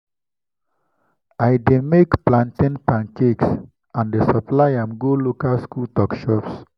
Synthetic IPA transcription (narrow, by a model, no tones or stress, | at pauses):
ajdemekplãntĩnpãnkeks | ãndəsɔplaɪãmɡolokalskultɔkʃɔps